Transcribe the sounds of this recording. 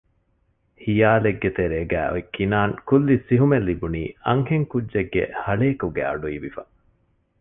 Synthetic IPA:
hijaːleɡːet̪eɾeːɡæːʔo̰ekːinaːŋkulːisiɦumelːibuniːɐŋheŋkudːd͡ʒeɡːḛhɐɭeːkuɡæ̰ːɐ̰ɖuiːʋifɐ

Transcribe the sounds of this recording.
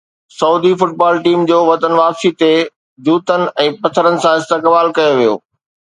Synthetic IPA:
sɐuːd̪ifʊʈ̚baːlʈiːmd͡ʑoːʋɐt̪ənʋaːpsit̪e | d͡ʑuːt̪ənɪ̆ʔɛ̃ːpɐt̪ʰəɾənɪ̆sãɪst̪ekbaːlkɐjoʋijo̰ː

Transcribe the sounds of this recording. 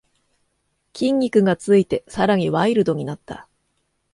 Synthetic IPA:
kʲĩŋːʲikɯ̟ɡat͡sɨit̪e̞saɾaɲ̟iβaiɾɯ̟d̪o̞ɲ̟inat̪ːa̰

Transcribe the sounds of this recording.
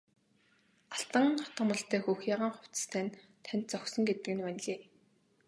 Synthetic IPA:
aɬt̪ə̆ŋχɔt̪ə̆mə̆ɮɬt̪æːxuːxjaːʁaːŋχʊw̥ʲt͡s̪st̪ʰæːn | t̪ʰænʲt̪̚t͡sɔksɞ̆ŋɡet̪ɘ̆kɘ̆nwæn̆ʲɮeː

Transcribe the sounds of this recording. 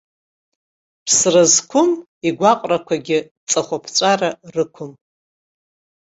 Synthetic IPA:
pʰsrazkʷʰʊm | iɡʷaqʼrakʷʰaɡʲɪ | t͡sʼaχʷapʰt͡sʷʼararɨkʷʰʊm

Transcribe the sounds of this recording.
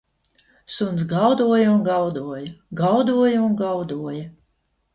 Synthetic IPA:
sunsɡawd̪uɔjɐunɡawd̪uɔjɐɡawd̪uɔjaunɡawd̪uɔja

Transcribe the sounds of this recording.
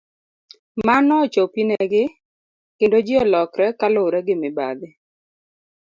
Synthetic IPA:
manɔt͡ʃopinɛɡɪ | kendod͡ʒɪɔlɔkɾɛkaloɾɛɡɪmɪba̰d̪ɪ

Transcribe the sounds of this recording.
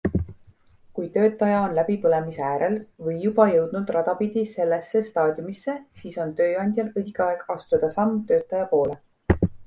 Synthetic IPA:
kujt̪ø̞ːt̪ːˑɑjɑo̞nlæbipɤle̞miseæːɾe̞lvɤjːub̥ɑjɤwd̪̥nud̪̥rɑd̪̥ɑpid̪̥ise̞lːe̞sːe̞st̪ɑːd̪̥jumisːe̞siːso̞nt̪ø̞ːɑnʲd̪̥ʲjɑlɤd̪ʲikɑe̞ɡ̥ɑst̪ud̪̥ɑsɑmt̪ø̞ːt̪ːˑɑjɑpo̞ːle

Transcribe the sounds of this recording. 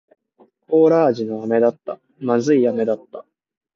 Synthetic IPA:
ko̞ːɾaːʑino̞ame̞d̪at̪ːa | mazɨijame̞d̪at̪ːa

